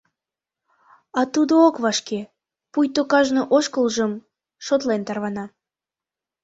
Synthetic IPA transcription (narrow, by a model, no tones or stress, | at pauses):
ɑt̪ud̪ookβɑʃke | pujt̪okɑʒnoʔoʃkəlʒəm | ʃot̪lent̪ɑrβɑnɑ